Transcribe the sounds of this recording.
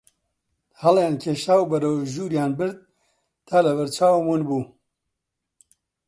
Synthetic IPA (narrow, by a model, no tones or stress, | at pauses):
hɐljaːnkʰeːʃaːwbɐɾɐwʒuːɾjaːnbɨɾd̪̚ | t̪ʰaːlɐvɐɾt͡ʃaːwmunbuː